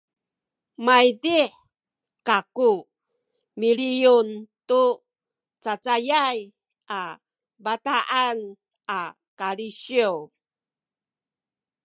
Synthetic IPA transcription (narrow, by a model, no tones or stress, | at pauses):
majdiħ | kaku | miɾijuntu | t͡sat͡sajaj | a | bataʔan | a | kaɾiɕiw